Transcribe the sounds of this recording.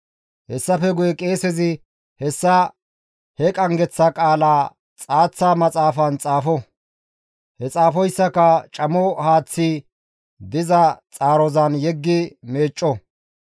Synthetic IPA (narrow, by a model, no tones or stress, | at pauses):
hɛsːɐfɛɡʊjɛkʼe̞ːsɛzɪ | hɛsːɐ | hɛkʼɐŋɡɛt͡sːɐkʼaːlaː | t͡sʼaːt͡sːaːmɐt͡sʼaːfɐnt͡sʼaːfɔ | hɛt͡sʼaːfɔjsːɐkɐt͡ʃʼɐmɔhaːt͡sːi | d̪ɪzɐt͡sʼaːɾɔzɐnjɛɡːɪme̞ːt͡ʃʼːɔ